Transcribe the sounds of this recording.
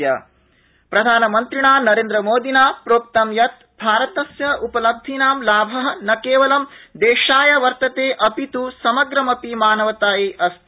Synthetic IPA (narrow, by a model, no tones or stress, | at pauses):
jɐ̰ | pɾɐd̪ʱaːnɐmɐnt̪ɾiɳaːnɐɾẽːnd̪ɾɐmoːd̪ʱinaːpɾoːp̚t̪ɐmjɐt̪ | bʱaːɾɐt̪ɐsjɐʔupɐlɐb̚d̪ʱinaːmlaːbʱɐɦɐnɐkeːʋɐlɐmd̪eːʃaːjɐʋɐɾt̪ɐt̪eːʔɐpit̪usɐmɐɡɾɐmɐpimaːnɐʋɐt̪aːjiːʔɐst̪ʰ